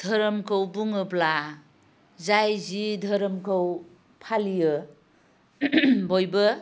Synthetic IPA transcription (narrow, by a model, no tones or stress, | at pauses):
dʱəɾəmkʰəwbuŋɯbla | zajzidʱəɾəmkʰəw | pʰalijɯ | bojbɯ